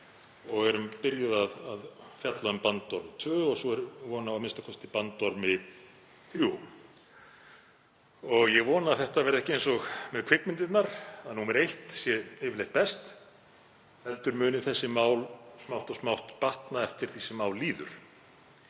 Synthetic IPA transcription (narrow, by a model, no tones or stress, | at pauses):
ɔɣɛɾʏmpɪɾjaðaðaðfjat̪laʏmpant̪ɔɾmt̪ʰvœːɔɣsɔɛɾvɔːnaamɪnst̪akʰɔst̪ɪpant̪ːɔɾmɪ | θɾju | ɔɣjɛɣvɔːnaaθɛht̪avɛːɾðɛhcɪejnsɔɣmɛðkʰv̥ɪkmɪnt̪ɪt̪naɾaðnhumɛɾejht̪sjɛeːvɪlejht̪̚pɛst̪ | hɛlt̪ʏɾmʏːnɪθɛsːɪmaːwlsmawht̪ɔsmawht̪paht̪naɛft̪ɪɾ̥θisɪmaːwlːiːðʏ̰ɾ̥